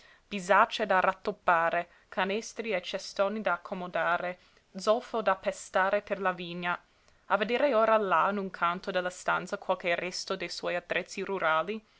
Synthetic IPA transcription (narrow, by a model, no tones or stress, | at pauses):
b̥izat͡ʃed̪arʔat̪ːopːaːɾe | kʰanɛst̪ɾiet͡ʃɛst̪oːnid̪aːkʰːomod̪aːɾe | d̪zolfod̪apːest̪aːɾeperlaviːɲːa | aved̪eːɾeoːɾalanuŋkʰant̪od̪elːast̪ant̪sakwalkerɛst̪od̪ejswɔjat̪ːɾɛt̪siɾuɾaːli